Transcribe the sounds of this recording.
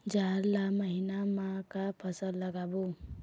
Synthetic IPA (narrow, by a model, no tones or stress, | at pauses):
d͡ʒaːɾlaməɦinamãkapʰəsəlːəɡaːbo